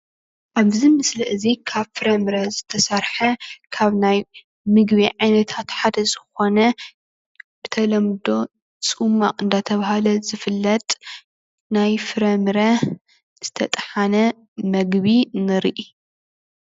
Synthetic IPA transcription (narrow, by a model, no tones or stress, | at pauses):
ʔaβzimɨsliʔɨzikʰaβfɨɾɐmɨɾɐzɨt̪ʰɐsɐɾħɐkʰaβnaj | mɨɡbiʕajnɐt̪ʰat̪ħad̪ɐzɨxo̞nɐ | b̥ɨt̪ʰɐlɐmd̪o̞ | t͡sʼumːaqʼɨnd̪at̪ʰɐβaɦalɐzɨfɨlːɐt̪ʼ | najfɨɾɐmɨɾɐ | z̥ɨt̪ʰɐt̪ʼħanɐ | mɐɡβinɨɾʔi